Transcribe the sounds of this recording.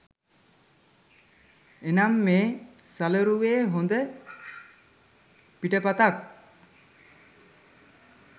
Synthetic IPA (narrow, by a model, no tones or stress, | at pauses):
enamːeːsaləɾuʋeːɦond̪ə | piʈəpat̪ak̚